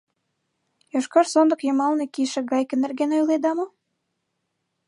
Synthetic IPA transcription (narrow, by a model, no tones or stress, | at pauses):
jɑʃkɑrsond̪ə̆kjomɑlnekiʃə̆ɡɑjkə̆nːerɡenojled̪ɑmo